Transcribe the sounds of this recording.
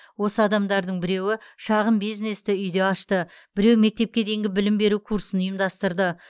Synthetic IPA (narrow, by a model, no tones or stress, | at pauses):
wo̞səɑd̪ɑmd̪ɑɾd̪əɴbɪɾe̞wɪʃɑʁəmbijzne̞st̪ɪʏjd̪e̞ɑʃt̪ə | b̥ɪɾe̞wme̞k̚t̪e̞p̚kʲe̞d̪e̞jŋɡʲɪbɪlɪmbe̞ɾukʰuɾsənʊjəmd̪ɑst̪əɾd̪ə